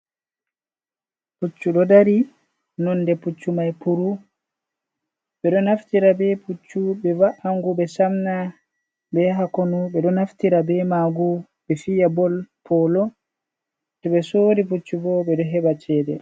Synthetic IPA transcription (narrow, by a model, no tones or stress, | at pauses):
put͡ʃːuɗɔdaɾi | nɔnːdɛput͡ʃːumajpuɾu | ɓɛɗɔnaftiɾabɛput͡ʃːubɛvaʔaŋɡubɛsamna | bɛɦakonubɛɗɔnaftiɾabɛmaɡu | bɛfijabɔlpʰɔlɔ | tɛɓɛsoːɾiput͡ʃːubɔbɛɗɔɦɛbat͡ʃɛːdɛ̰